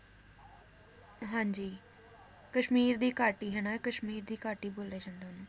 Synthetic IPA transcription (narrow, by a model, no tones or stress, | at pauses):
ɦãːɲd͡ʒiː | kəʃmiːɾd̪iːkaːʈiːɦɛnakəʃmiːɾd̪iːkaːʈiːboːleːd͡ʒãːnd̪eːɦnũː